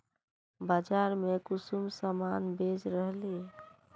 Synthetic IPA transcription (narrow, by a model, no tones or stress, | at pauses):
bad͡ʒaɾmekʊsumsəmanbed͡ʒɾəɦle